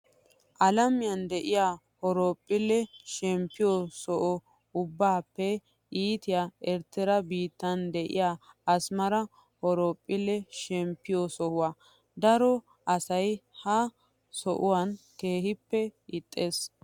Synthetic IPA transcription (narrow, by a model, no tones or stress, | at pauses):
ʔɐlɐmɪjɐnd̪ɛʔɪjaː | hɔɾoːpʼːɪlːɛʃɛmpːɪjɔsɔʔɔ | ʊbːaːpːɛ | iːt̪ɪjaːɛɾt̪ːɛɾɐbiːt̪ːɐnd̪ɛʔɪ̰jaːɐsmɐɾɐ | hɔɾoːpʼːɪlːɛʃɛmpːɪjɔsɔʔʊwaː | d̪ɐɾɔ | ʔɐsɐjhɐ | sɔʔʊwanke̞ːhɪpːɛɪt̪ʼːe̞ːs